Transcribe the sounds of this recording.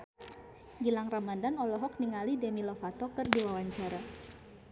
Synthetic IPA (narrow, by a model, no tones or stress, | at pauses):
ɡilaŋramadanɔlɔɦɔk̚niŋalidemilɔfat̪ɔkɨrdiwawaɲt͡ʃaɾa